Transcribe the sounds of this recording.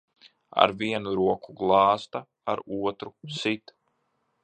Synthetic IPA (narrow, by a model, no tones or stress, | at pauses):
a̰ɾviɛnuɾuɔkuɡlˠɑːst̪a | aɾuɔt̪ɾusit̪